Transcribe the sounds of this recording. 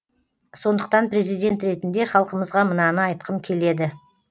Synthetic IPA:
so̞nd̪əq̚t̪ɑnpɾe̞zijd̪ʲe̞nt̪ɾe̞t̪ɪnd̪e̞χɑlˠqəməzʁɑmənɑnəɑjt̪̚qʰəmkʲʰe̞le̞d̪ɪ

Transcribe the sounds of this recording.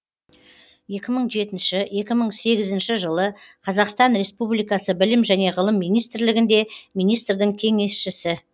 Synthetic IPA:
je̞kʲɪməɴʒe̞t̪ɪnʃɪje̞kʲɪməɴse̞ɡʲɪzɪnʃɪʒəlˠəqʰɑzɑqst̪ɑnɾe̞spublˠijkɑsəbɪlɪmʒæne̞ʁəlˠəmːijnijst̪ɾlɪɡʲɪnd̪e̞mijnijst̪ɾd̪ɪŋkʲʰe̞ŋe̞sʃɪsɪ

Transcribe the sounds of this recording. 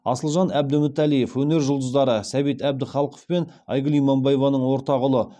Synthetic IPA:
ɑsəlˠʒɑnæb̚d̪ɪmɪt̪ælije̞fwɵne̞ɾʒʊlˠd̪əzd̪ɑɾəsæbet̪æbd̪ɪχɑlˠqʰo̥fpe̞nɑ̰jɡəlˠijmɑmbɑjevɑnəɴwo̞ɾt̪ɑʁʊlˠə

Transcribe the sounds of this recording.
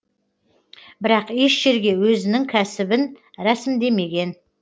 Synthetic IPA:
bɪɾɑqeʃʒ̥e̞ɾɡʲe̞wɵzɪnɪŋkʲʰæsɪbɪnɾæsɪmd̪e̞me̞ɡʲe̞n

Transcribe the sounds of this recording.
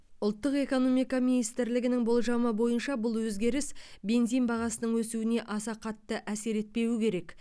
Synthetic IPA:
ʊlˠt̪ːəqe̞ko̞no̞mijkɑminijst̪ɪɾlɪɡʲɪnɪŋbo̞lˠʒɑməbo̞jənʃɑbʊlˠwɵzɡʲe̞ɾɪsbe̞nzijnbɑʁɑsənəɴwɵsuɪne̞ʔɑsɑqʰɑt̪ːəʔæse̞ɾe̞t̪̚pe̞wɪkʲʰe̞ɾe̞k

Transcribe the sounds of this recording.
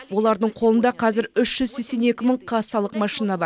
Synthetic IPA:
wo̞lˠɑɾd̪əɴqʰo̞lˠənd̪ɑqʰɑzɪɾʏʃʒ̥ʏzse̞kʲse̞ne̞kʲɪməɴqʰɑsɑlˠəqmɑʃinɑbɑ

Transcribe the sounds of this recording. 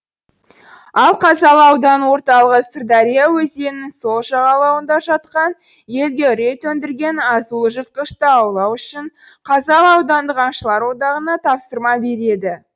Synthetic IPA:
ɑlˠqʰɑzɑlˠɑwd̪ɑnwo̞ɾt̪ɑlˠəʁəst̪rd̪ɑɾʲijawɵze̞nɪŋso̞lˠʃɑʁɑlˠɑwənd̪ɑʒɑt̪̚qɑn | je̞lɡ̪ʲe̞ɾe̞t̪wɵnd̪ɪɾɡʲe̞nɑzulˠəʒət̪̚qəʃt̪əɑwlˠɑwʏʃɪɴ | qʰɑzɑlˠɑwd̪ɑnd̪əqɑɴʃəlˠɑɾwo̞d̪ɑʁənɑt̪ʰɑpsəɾmɑbe̞ɾe̞d̪ɪ

